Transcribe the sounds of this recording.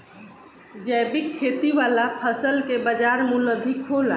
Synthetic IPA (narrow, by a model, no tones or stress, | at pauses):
d͡ʒɛbikʰːeːt̪iʋaːlapʰəsəlkebəd͡ʒaːɾmuləd̪ʱikɦola